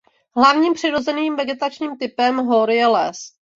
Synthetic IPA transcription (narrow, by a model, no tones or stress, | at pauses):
ɦlavɲiːmpr̥ɪɾo̞zɛniːmvɛɡɛt̪at͡ʃɲiːmt̪ɪpɛmɦoɾjɛlɛs